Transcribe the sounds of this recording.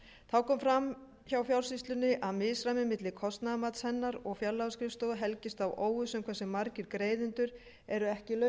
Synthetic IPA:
t̪ʰaːwkɔmfɾam | çawfjawlsist̪lʏnɪʔaðmɪːsɾamɪmɪt̪lɪkʰɔst̪naðmat̪shɛnːaɾɔɣfjaɾlawskɾɪfst̪oːwðɦɛlcɪst̪awoːwɣʏsɛmkʰvɛsɪmaɾcɪɾkɾeːjðɪnt̪ʏɾ | ɛɾʏɛhcɪlœ

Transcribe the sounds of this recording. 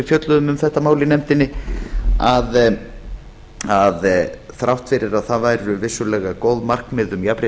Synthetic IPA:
ɪfjœt̪lʏðʏmʏmθɛht̪amaːwlɪnɛmt̪ɪnːɪ | að | aðθɾawht̪fɪɾɪɾaðθaðvaːjɾʏvɪsːʏlɛɣakoːwðmar̥kmɪðʏmjapɾɪ

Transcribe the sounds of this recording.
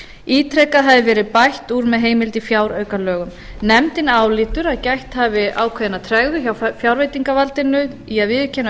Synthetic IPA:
iːt̪ʰɾɛkaðɦaðɪvɛːɾɪpajht̪uːɾmɛðɦeːjmɪlt̪ɪfjaːwɾœːɥkalœːɣʏm | nɛmt̪ɪnaːwlɪːt̪ʏɾaðcajht̪havɪaːwkʰvðɪnat̪ʰɾɛɣðʏçawfjawɾveːjt̪iŋkavalt̪ɪnːʏðiaðvɪːðʏcʰɛna

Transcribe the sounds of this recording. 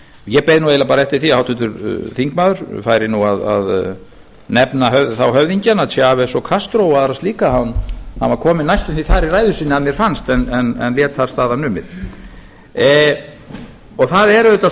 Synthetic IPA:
jɛpejðɪnuejlapaːɾaɛft̪ɪɾ̥θiahawt̪ʏt̪ʏɾθiŋkmaːðʏɾ̥faːjɾɪnuaða̰ð | nɛpnaɦœθawɦœvðiɲcanaðsjaavɛsɔkʰast̪ɾowaðaɾast̪liːkahanhanvakʰɔːmɪnajst̪ʏmθiθaɾɪɾaːjðʏsɪnːɪaðmjɛɾ̥fanst̪ɛnɛnɛ̰nljɛːt̪θaɾ̥st̪aːðanʏːmɪ̰ð | ɔɣθaðɛɾʏʏt̪a

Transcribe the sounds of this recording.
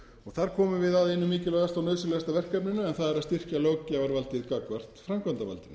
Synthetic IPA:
ɔɣθaɾ̥kʰɔːmʏvɪðaðɪnːʏmːiːcɪlœːɣast̪awnœðsʏlɛɣast̪avɛr̥kapnɪnʏɛnθaðɛɾaðst̪ir̥caloːwcavaɾvalt̪ɪðkakvar̥t̪fɾamkant̪ava̰lt̪ɪn

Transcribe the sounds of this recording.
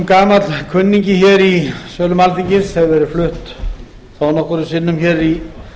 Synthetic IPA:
mkaːmat̪lkʰʏnːiɲcɪçɛɾisœːlʏmalt̪iɲcɪsɛɣvɛɾɪɾflʏht̪ | θawnɔhkʏɾʏsɪnːʏmçɛɾi

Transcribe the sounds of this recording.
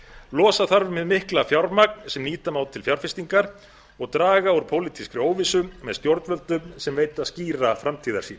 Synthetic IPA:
lɔːsaθaɾvɪmɪðmɪhklafjawɾmak̚n̥sɛmniːt̪amaːwt̪ʰːɪlfjawɾ̥fɪst̪iŋkaɾ̥ | ɔɣt̪ɾaːɣauɾ̥pʰowlit̪ʰiskɾʏoːwvɪsʏmɛðst̪jowɾt̪vœlt̪ʏmsɛmveːjt̪aðsciːɾafɾamt̪ʰiːða̰ɾ̥siːn

